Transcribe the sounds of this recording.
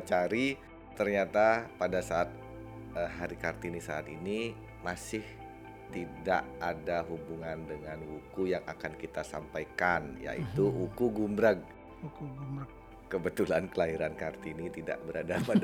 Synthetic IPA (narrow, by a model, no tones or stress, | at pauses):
t͡ʃaɾi | t̪ərɲat̪apadasaːt̪̚ | əɦaɾikart̪inisaːt̪ini | masɪh | t̪ida̰ʔadaɦubuŋandəŋanwukujaŋa̰kankit̪asampajkanja̰ʔḭt̪uukuɡumbɾaɡ̚ | ukuɡumɾəɡ | kəbət̪ulankəlaiɾankart̪init̪ida̰ʔbəɾadapad